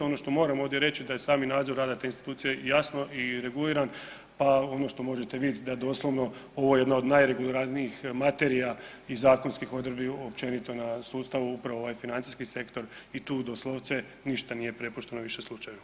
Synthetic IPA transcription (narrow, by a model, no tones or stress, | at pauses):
ono̞ʃt̪o̞mo̞ːɾamo̞ːʋd̪ʲjeɾe̞t͡ɕid̪aje̞saːminaːd̪zoɾːaːd̪at̪e̞inst̪i̥t̪uːt̪sijejasno̞ʔiɾe̞ɡuliːɾan | pao̞no̞ʃt̪o̞mo̞ʒet̪e̞ʋid̪jet̪id̪aed̪o̞slˠo̞ʋno̞o̞ʋo̞jjed̪naod̪najɾe̞ɡulˠiɾaniixmat̪e̞ɾija | izaːko̞nskixo̞d̪ɾbiopt͡ʃe̞nit̪o̞nasuːst̪aʋuupɾaʋooʋajfinant̪i̥skise̞kt̪o̞ɾit̪uːd̪o̞slˠoʋt̪se̞ | niʃt̪anije̞pɾe̞puʃt̪e̞noʋiʃe̞slˠut͡ʃajʋa